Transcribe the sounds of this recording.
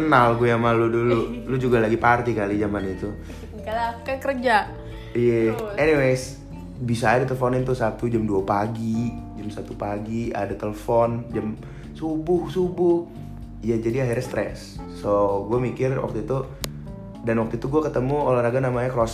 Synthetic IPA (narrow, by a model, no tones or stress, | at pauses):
kənalɡuajaŋmaludululʊd͡ʒuɡalaɡipart̪ikalid͡ʒamanit̪u | kakərd͡ʒa | ijaɛniwes | bisaːdat̪ələfɔnɪnt̪ʊsat̪ud͡ʒamduapaɡid͡ʒamsat̪upaɡia̰dat̪ələfɔnd͡ʒam | subʊhsubʊh | ijad͡ʒadiaɦirɲast̪ɾɛ̰sː | oɡuamikɪrwa̰k̚t̪uit̪u | danwak̚t̪uit̪uɡuakət̪əmuolaɾaɡanamaɲakəɾos